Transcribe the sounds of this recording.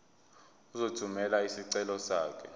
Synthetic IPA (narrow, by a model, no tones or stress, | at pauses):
uzotʰumɛlaisiǀɛlɔsaːkʰɛ